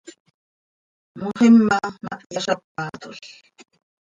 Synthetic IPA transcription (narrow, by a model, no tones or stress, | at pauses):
mʊhɪmːama̰ʔjaʃap̚ːaːt̪ʊɬ